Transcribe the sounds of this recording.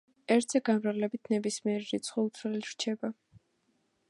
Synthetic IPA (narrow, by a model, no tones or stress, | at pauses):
ɛɾt̪ʰzɛɡanvɾavlɛbit̪ʰnɛbismiɛɾiɾit̪sʰχɔut̪sʰlilɾ̥t͡ʃʰɛba